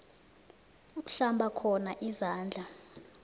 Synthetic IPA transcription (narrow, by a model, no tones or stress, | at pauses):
uk̩ɬambʱakʰɔnaʔizaːnd͡ɮʱa